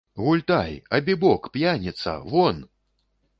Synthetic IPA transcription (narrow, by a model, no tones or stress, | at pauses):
ɣulʲt̪ajɐbʲibɔkpjanʲɛt̪sɐ̰vɔn